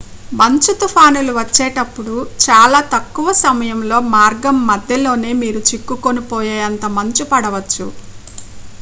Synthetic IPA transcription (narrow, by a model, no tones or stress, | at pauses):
mɐɲt͡ʃut̪upʰaːnuluʋɐt͡ʃːɛːʈɐpːuɽut͡ʃaːlaːt̪ɐkːuʋɐsɐmɐjɐmlo̞ːmaːɾɡɐmːɐd̪ʱjɐlo̞ːne̞ːmiːɾut͡ʃikːukonipɔːjaːjɐnt̪ɐmɐɲt͡ʃupɐɽɐʋɐt͡ʃːṵ